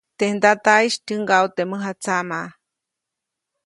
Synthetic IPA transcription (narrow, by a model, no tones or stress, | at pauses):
t̪ehnd̪at̪aiʃtɨŋɡawt̪emɨɦat͡sama